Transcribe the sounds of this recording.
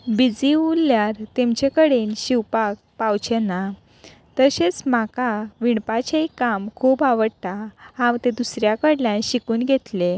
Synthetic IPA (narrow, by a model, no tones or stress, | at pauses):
bid͡ziulːjaɾt̪emt͡ɕekəɽenɕiwpak̚pawt͡ɕena | t̪əɕet͡sm̤akaʋiɳpat͡ɕaikamkʰuːpaʋəɽt̪ahãwt̪ed̪usɾjakəɽljãnɕikuːnɡʱet̪le